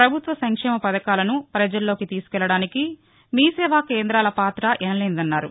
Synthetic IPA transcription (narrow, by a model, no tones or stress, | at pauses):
pɾɐbʱut̪ʋɐsɐŋkʂɛːmɐpɐd̪ɐkaːlɐnupɾɐd͡ʒɐlːo̞ːkit̪iːsu̥kɛlːɐɽaːniki | miːsɛːʋaːkeːnd̪ɾaːlɐpaːt̪ɾɐʔɛnɐlɛːnd̪ɐnːaːɾu